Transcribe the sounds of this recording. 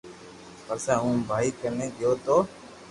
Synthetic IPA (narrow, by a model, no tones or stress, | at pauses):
pəɾsɛ̃ːɦũːbʱaːiːkəɾnẽːɡɪjoːt̪oː